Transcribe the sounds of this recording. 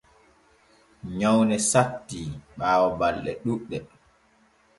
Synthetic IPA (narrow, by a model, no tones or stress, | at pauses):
ɲawnɛsatːiɓaːwɔbalɗɛ̰ɗuɗːɛ